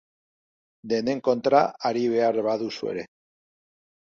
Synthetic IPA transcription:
d̪eneŋkont̪ɾaaɾiβeaɾβaðuswḛɾe

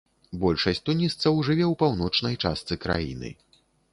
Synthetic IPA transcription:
bɔlʲʂɐsʲt̪unʲist̪sɐwʐɨvʲɛwpawn̪ɔt͡ʂnɐjt͡ʂa̰st̪sɨkɾa̰jḭnɨ̰

